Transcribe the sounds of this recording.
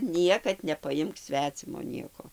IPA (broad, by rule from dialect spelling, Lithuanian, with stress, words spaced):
ˈnʲiɛkɐt nʲɛpɐˈjɪmk ˈsʲʋʲæːt͡sʲɪmoː ˈnʲiɛkoː